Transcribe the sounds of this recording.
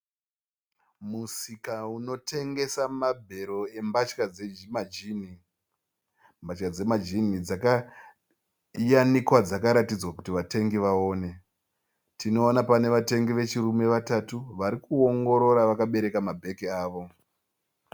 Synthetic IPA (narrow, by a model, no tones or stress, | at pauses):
musikauno̞tʰe̞ŋɡe̞samabʱe̞ɾo̞e̞mbat͡ʃkaemad͡ʒini | mbat͡ʃkad͡ze̞mad͡ʒinid͡zaka | janikwad͡zakaɾatid͡zwakutiʋate̞ŋɡiʋaoːne̞ | tʰino̞ːnapane̞ʋate̞ŋɡiʋe̞t͡ʃirume̞ʋatatuʋaɾikuoŋɡo̞ɾo̞ɾaʋakaɓe̞ɾe̞kamabʱe̞kiaːʋo̞